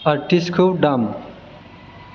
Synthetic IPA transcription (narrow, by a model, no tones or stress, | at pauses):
ɐɾʈiskʰowɖam